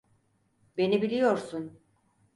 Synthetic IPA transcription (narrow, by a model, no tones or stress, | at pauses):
be̞nibilʲijo̞ɾsun